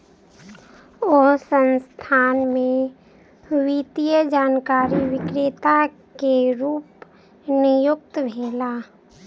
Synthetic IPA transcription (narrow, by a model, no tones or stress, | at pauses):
oːɦsənst̪ʰaːnmẽ | wit̪ijəd͡ʒaːnkaːɾiwɪkɾɪt̪a | keɾuːp | nɪjʊk̚t̪bʱeːla